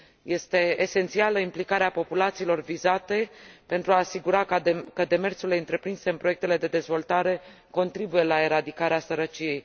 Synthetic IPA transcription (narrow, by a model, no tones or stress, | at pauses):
je̞st̪e̞ːse̞nt̪sialəimplikaɾeapo̞pulat̪siːlo̞rvizat̪e̞pe̞nt̪ɾuaːsiɡuɾakkəd̪e̞me̞rtsule̞ɨnt̪ɾe̞pɾinse̞ɨnpɾo̞jek̚t̪ele̞d̪e̞d̪e̞zvo̞lt̪aɾe̞ | ko̞nt̪ɾibuje̞lae̞ɾad̪ikaɾeasəɾət͡ʃije̞j